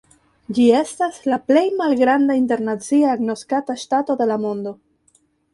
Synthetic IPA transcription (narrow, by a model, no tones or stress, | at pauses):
d͡ʒie̞staslaple̞jmalɡɾandainte̞ɾnat͡siaːɡno̞skataʃtato̞de̞lamo̞ndo̞